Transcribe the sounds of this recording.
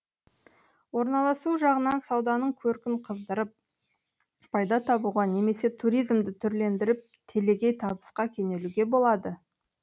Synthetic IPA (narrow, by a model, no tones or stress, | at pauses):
wo̞ɾnɑlˠɑsuʒɑʁənɑnsɑwd̪ɑnəɴkʲʰɵɾkʲɪɴqʰəzd̪əɾəp̚ | pʰɑjd̪ɑt̪ʰɑbuʁɑne̞me̞se̞t̪ʰuɾijzmd̪ɪt̪ʰʏɾle̞nd̪ɪɾɪp̚t̪ʰe̞le̞ɡʲe̞jt̪ʰɑbəsqɑkʲʰene̞luɡʲe̞bo̞lˠɑd̪ə